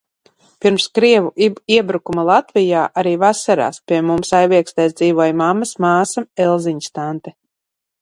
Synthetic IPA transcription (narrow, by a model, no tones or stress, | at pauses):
piɾmskɾiɛvuiɛbɾukumalˠat̪vijaːʔaɾiːvasaɾa̰ːspʲiɛmumsajviɛkst̪ajsd̪ziːvuɔjmamːasmaːsamɛlˠziɲst̪ant̪ɛ